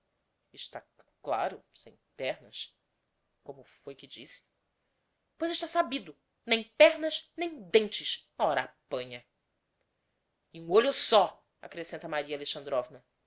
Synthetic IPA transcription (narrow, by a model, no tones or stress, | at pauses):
ɪʃt̪akla̰ɾʊsḛ̃j̃pɛhnɐs | kõmʊfojkɪd͡ʒisɪ̥ | pojzɪʃt̪asabid̪ʊ | nẽj̃pɛɦnɐznẽj̃d̪ẽnt͡ʃɪʃɔɾɐapɐ̃ɲɐ | ɪũoʎʊsɔ | a̰kɾesẽnt̪ɐmaɾiɐaleʃɐ̃nd̪ɾɔvnɐ